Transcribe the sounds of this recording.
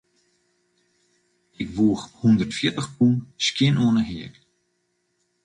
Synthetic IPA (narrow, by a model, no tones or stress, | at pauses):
ɪkʋuəxhundərtfjɪtəxpunskjɪnoənəɦɪək